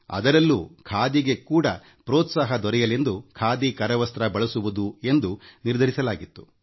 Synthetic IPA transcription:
ɐ̰d̪ɐɾɐlːuːkʰaːd̪iɡe̞kuːɽɐ | pɾoːt̪saːɦɐd̪ɔɾɛjɐle̞nd̪ukʰaːd̪ikɐɾɐʋɐst̪ɾɐbɐɭɐsuʋud̪ue̞nd̪uniɾd̪ʱɐɾisɐlaːɡit̪ːu̥

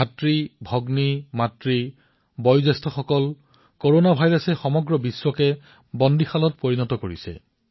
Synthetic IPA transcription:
atɹibʱɔɡnimatɹi | bɔjzɛstʰɔxɔkɔl | koɹonabʱajɹɔsɛxɔmɔɡɹɔbiswɔkɛ | bɔndixalɔtpoɹinɔtɔkoɹisɛ̰

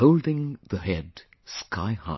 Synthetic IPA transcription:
hoʊlˠdɪ̃ŋðəɦɛd | skʰaɪha̰

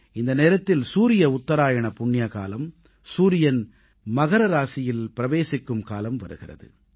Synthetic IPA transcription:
ɪnd̪ɐneːɾɐt̪ːɪlsuːɾɪjɐʊt̪ːɐɾaːjɐɳɐpʊɳːɪjɐka̰ːlɐm | suːɾɪjɐn | mɐɣɐɾɐɾaːsɪjɪlpɪɾɐʋeːsɪkːɯmkaːlɐmʋɐ̰ɾɯ̰ɣɪrɐ̰ðɯ̰

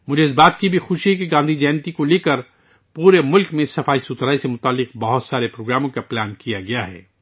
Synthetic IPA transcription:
mʊd͡ʒʱeɪs̬baːt̪kibʱixʊʃiɦɛkeɡãːnd̪ʱid͡ʒɛːnt̪ikoleːkəɾ | puːɾemʊlkmẽsɐfaːisʊt̪ɾaːisemʊt̪aːlːɪq̚bɐɦʊt̪saːɾepɾoːɡɾaːmõkaplaːnkijaɡɐjaɦɛ̰ː

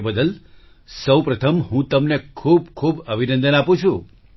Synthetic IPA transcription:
bəd̪əl | səwpɾət̪ʰəmɦũt̪əmnekʰubkʰubəbʱinə̃nd̪ənapũt͡ʃʰũ

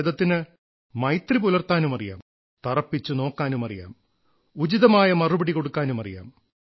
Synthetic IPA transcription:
ðɐt̪ːinɨ | mɐjt̪ripulɐrt̪aːnumɐrija̰ːm | t̪ɐrɐpːit͡ɕːuno̞ːkːaːnumɐrḭja̰ːm | ud͡ʑiðɐmaːjɐmɐrubɐɽiko̞ɽukːaːnumɐrija̰ːm

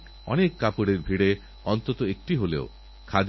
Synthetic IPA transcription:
ɔ̰nekːapuɽeɾbʱiɽe | ɔnt̪ɔt̪ɔek̚ʈiɦolḛo | kʰad̪

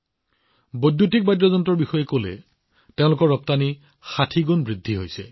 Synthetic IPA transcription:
bojdjutik̚bajdɹɔzɔntɔɹbixɔjɛkolɛ̰ | teʊ̃lʊkɔɹːɔp̚tani | xatʰiɡunbɹid̪ʱːiɦojsɛ̰

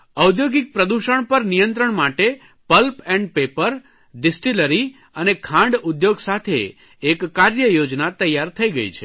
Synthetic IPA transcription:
əwd̪joɡɪk̚pɾəd̪uʃəɳpəɾnijənt̪ɾəɳmaʈe | pəlpɛ̃ɳɖpepəɾ | ɖɪsʈiləɾi | ənekʰãɳɖud̪joɡsat̪ʰḛː | kːaɾjəjod͡ʒnat̪əjaɾt̪ʰəiɡəḭt͡ʃʰe

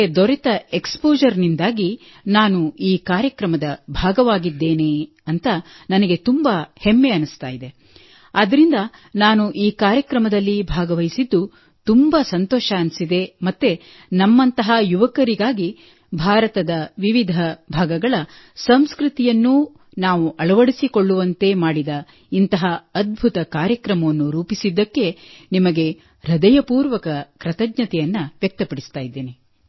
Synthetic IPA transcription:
d̪ɔɾɛt̪ɐekspoːd͡ʒɐɾnind̪aːɡi | naːnuiːkaːɾjɐkɾɐmɐd̪ɐbʱaːɡɐʋaːɡid̪ːe̞ːne̞ː | ɐnt̪ɐ | nɐnɐɡe̞t̪umbɐhemːe̞ɐnust̪aːjid̪e̞ | ɐd̪ɐɾind̪ɐnaːnuʔiːkaːɾjɐkɾɐmɐd̪ɐlːibʱaːɡɐʋɐjsid̪ːu | t̪umbɐsɐnt̪ɔːʃɐːnsid̪e̞mɐt̪ːe | nɐmːɐnt̪ɐɦɐjuʋɐkɐɾiɡaːɡi | bʱaːɾɐt̪ɐd̪ɐʋiʋid̪ʱɐbʱaːɡɐɡɐɭɐ | sɐmskɾut̪ijɐnːu | naːʋuʔɐɭɐʋɐɽisiko̞ɭːuʋɐnt̪e̞maːɽid̪ɐ | int̪ɐɦɐɐd̪̚bʱut̪ɐkaːɾjɐkɾɐmɐʋɐnːuɾuːpisid̪ːɐkːe̞nimɐɡe̞ | ɾɐd̪ɐjɐpuːɾʋɐkɐkɾɐt̪ɐɡɲɐt̪ɛjɐnːɐʋjɐk̚t̪ɐpɐɽist̪aːjid̪ːeːni

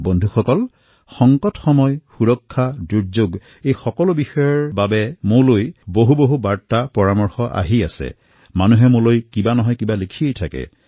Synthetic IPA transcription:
bɔndʱuxɔkɔl | xɔŋkɔtxɔmɔjxuɹɔkʰːaduɹd͡ʒoɡ | ejxɔkɔlobixɔjɔɹbabɛmʊɹlojboɦuboɦubaɹtːapɔɹamɔɹxɔʔa̰ɦia̰sɛ̰ | manuɦɛmʊlojkibanɔɦɔjkibalikʰiejtʰakɛ̰

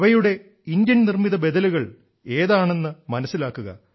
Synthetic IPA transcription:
ʋɐjuɽe̞ | ind̪jɐnnirmiðɐbe̞d̪ɐluɣɐɭ | e̞ːðaːɳe̞nːɨmɐnɐsːilaːkːuɣɐ̰

